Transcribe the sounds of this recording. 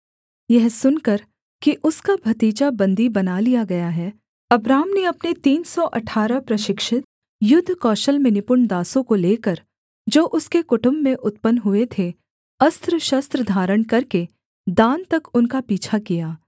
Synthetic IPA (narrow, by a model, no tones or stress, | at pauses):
jɛɦsʊnkɐɾ | kiʔʊskabʱɐt̪iːt͡ʃabɐ̃nd̪ʱibɐnalijaɡɐjaɦɛː | ɐbɾaːmneɐpnet̪iːnsɔʔɐʈʰaːɾəpɾɐʃɪkʃɪt̪ | jʊd̪ʱːkɔːʃəlmẽnɪpʊɾɳd̪aːsõkoleːkɐɾ | d͡ʒoːʔʊskekʊʈʊ̃mbːẽʔʊt̪̚pənɦʊet̪ʰe | ɐst̪ɾəʃɐst̪ɾəd̪ʱaːɾəɽ̃kɐɾke | d̪ãːnt̪ɐkʊnkapiːt͡ʃʰakijaː